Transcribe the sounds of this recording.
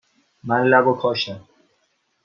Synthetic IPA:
mænlæbokʰɒːʃa

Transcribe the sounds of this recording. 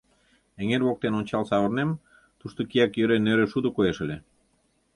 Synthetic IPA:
eŋeɾβok̚t̪enonʲt͡ɕɑlsɑβɤ̆rnem | t̪uʃt̪okiækjøɾeneɾeʃud̪okoeʃə̆lʲe

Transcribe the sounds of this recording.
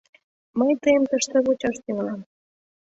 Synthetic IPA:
məjt̪əjə̆mt̪əʃt̪ĕβut͡ɕɑʃt̪eməlɑm

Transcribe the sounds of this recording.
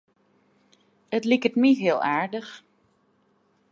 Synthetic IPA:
ətlikətmiɦiəlˠaːɹdəx

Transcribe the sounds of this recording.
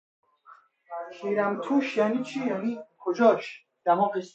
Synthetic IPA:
kʰiɾæmt̪ʰuʃjanit͡ʃʰijanikʰod͡ʒɔʃ | d̪̥amɔbes

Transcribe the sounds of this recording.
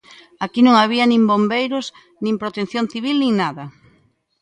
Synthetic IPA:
akinõŋaβ̞iɐnĩmbombejɾos | nĩŋpɾot̪enθjonθiβilnĩŋnaðɐ

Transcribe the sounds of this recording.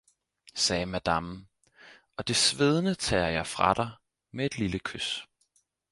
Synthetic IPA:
sɛːmæd̥ɑm | ɒ̽d̥e̝sʋeð̞ˠnət͡sʰɛ̰ːɐjɑ̈ɪfʁɑ̈ɾ̥ɑ̈ɪ | mee̝d̥liləkʰøs

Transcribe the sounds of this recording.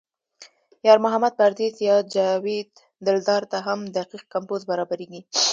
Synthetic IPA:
jɑɾmʊɦamad̪̚paɾd̪izjɑd͡ʒawed̪ | d̪ɪld̪ɑɾt̪aɦamd̪aqiq̚kampozbaɾɑbaɾeɡi

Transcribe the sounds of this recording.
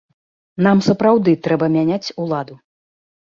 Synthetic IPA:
namsɐpɾawd̪ɨt̪ɾɛbɐmʲanʲat͡sʲulˠad̪u

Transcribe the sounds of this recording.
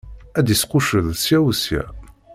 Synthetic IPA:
æd̪isqʊʃəðsjæwsjæ̰

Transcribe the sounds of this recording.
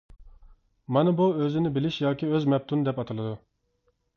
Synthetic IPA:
mɑnɨbuøzɪnɪbɪlɪʃjɑːkʲiøzmɛp̚t̪ʰund̪ɛpɑt̪ʰɨlˠɨd̪u

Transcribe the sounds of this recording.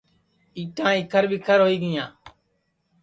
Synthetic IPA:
iːʈãːɪkʰəɾʋɪkʰəɾɦoːiːɡɪjãː

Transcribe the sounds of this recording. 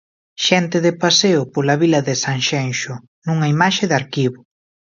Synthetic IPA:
ʃɛnt̪ɪðɪpaseʊpolaβilɐðɪsaŋʃenʃʊ | nuŋɐimaʃɪðaɾkiβʊ

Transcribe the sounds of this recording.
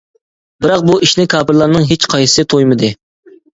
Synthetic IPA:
bɪɾɑq̚buiʃnɪkʰɑːpɾlˠɑɾnɨŋɦet͡ʃqʰɑjɨsɨt̪ʰojmɨd̪ɨ

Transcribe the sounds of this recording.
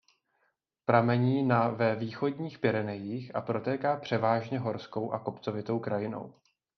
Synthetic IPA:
pɾamɛɲiːnavɛviːxo̞dɲiːxpɪɾɛnɛjiːxʔa̰pɾo̞t̪ɛːkaːpr̝̥ɛvaːʒɲɛɦo̞ɾsko̞wʔako̞pt͡so̞vɪt̪o̞wkɾajɪno̞̰w

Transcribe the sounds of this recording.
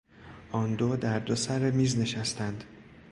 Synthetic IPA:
ʔɒnd̪od̪æɾd̪osæɾemiːzne̞ʃæst̪ænd̪̥

